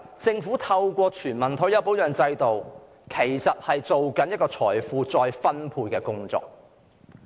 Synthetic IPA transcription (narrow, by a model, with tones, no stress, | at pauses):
t͡sɪ˧ŋfuː˨˥t̪ʰɐ˧wkʷɔː˧t͡ʃʰyː˨˩nmɐ˨nt̪ʰo˨˥jɐ˨˧wpo˨˥wjœː˨˩ŋt͡sɐ˧jt̪o˨w | kʰe˨˩jsɐ˨t̚hɐ˨jt͡so˨wkɐ˨˥njɐ˥t̚kɔː˧t͡sʰɔː˨˩jfuː˨˧t͡sɔː˧jfɐ˥npʰuː˧jkɛː˧kʊ˥ŋt͡sɔ̰ː˨k̚